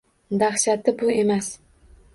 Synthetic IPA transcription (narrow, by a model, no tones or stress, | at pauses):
d̪aχʃat̪ʰɪbʊe̞mas